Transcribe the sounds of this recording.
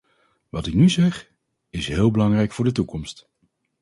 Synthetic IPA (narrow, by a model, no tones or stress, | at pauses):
ʋɑtɪknyzɛχ | ɪsɦɪːlˠbəlɑŋrɛjkfʊːɹdətukɔmst